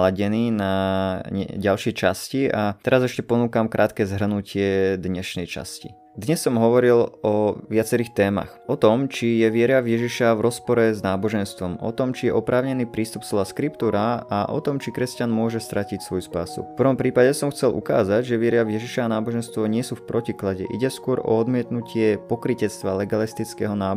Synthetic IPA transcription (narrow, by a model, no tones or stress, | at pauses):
laɟɛniːnaɲɛ̰ɟalʃɪɛt͡ʃasciaɛɾazɛʃcɛpɔnuːkamkɾʔaːt̪kɛːzɦr̩nucɪɛd̪ɲɛʃnɛjt͡ʃa̰scḭ | d̪ɲɛsːɔmɦɔʋɔɾilɔʋɪat͡sɛɾiːxt̪ɛːma̰xʔɔt̪ɔmt͡ʃijɛʋɪɛɾavjɛʒiʃavɾɔspɔɾɛznaːbɔʒɛnst̪ʋɔmʔɔ̰t̪ɔmt͡ʃijɛʔɔpɾʔaːʊɲɛniːpɾiːst̪upslɔʋaskɾipt̪uːɾaaʔɔ̰t̪ɔmt͡ʃikɾɛscanmʊɔʒɛst̪ɾʔacicsʋɔjuspa̰ːsṵfpr̩ʋɔmpɾiːpaɟɛsɔmxt͡sɛlʔṵka̰ːzaɟʒɛʋɪɛɾavjɛʒiʃaanaːbɔʒɛnst̪ʋɔɲɪɛsuːfpɾɔciklaɟɛ̰ʔḭɟɛskʊɔɾɔ̰ɔd̪mɪɛt̪nucɪɛpɔkɾicɛt͡st̪ʋalɛɡalist̪it͡skɛɦɔnaː